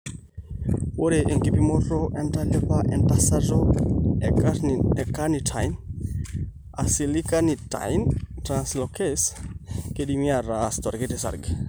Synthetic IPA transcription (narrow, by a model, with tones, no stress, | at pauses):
wo˦ɾe˨ʔe˨ŋɡi˦pi˦mɔɾɔʔɛ˦nta˦le˦pa˦ʔɛ˨ntasa˦ɾɔ˦ɛkaɛ˨ka˦ni˨tʰa˨jn | a˨si˨li˦ka˦ni˨ta̰˨jntɾanslɔkeskeɗi˦mi˦a˨ɾastɔ˨ɾketesa̰˨ɾɡ